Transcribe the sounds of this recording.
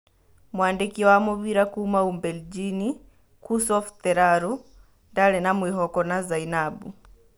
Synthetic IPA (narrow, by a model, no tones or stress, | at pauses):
mwaːndikiwamɔβiɾakuːmaumbɛld͡ʒini | kusɔft̪ɛɾaɾɔ | ndalɛnamwiɦɔkɔnazainabu